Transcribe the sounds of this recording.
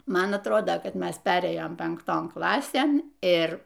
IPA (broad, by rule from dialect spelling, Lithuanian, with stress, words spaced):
ˈmɐn ɐtˈroːdoː kɐt ˈmʲɛs ˈpʲæːrʲeːjoːm pʲɛŋkˈtoːn ˈklˠɑːsʲeːn ˈɪr